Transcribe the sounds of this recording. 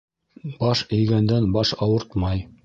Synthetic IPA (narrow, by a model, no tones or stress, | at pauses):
bɑʃɵ̆jɡænd̪ænbɑʃɑwɤɾt̪mɑj